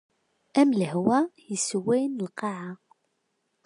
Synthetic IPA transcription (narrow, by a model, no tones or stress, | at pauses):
æmləhwæjəswæjnəlqɑʕa